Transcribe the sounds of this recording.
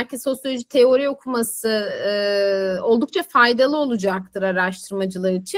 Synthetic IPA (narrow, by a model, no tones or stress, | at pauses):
ælʲciso̞sjolʲod͡ʒit̪ʰe̞o̞ɾio̞kʰumasɯ | o̞lˠd̪uk̚t͡ʃʰafajd̪alˠɯo̞lˠud͡ʒak̚t̪ʰɯɾaɾaʃt̪ʰɯɾmad͡ʒɯlˠaɾit͡ʃʰi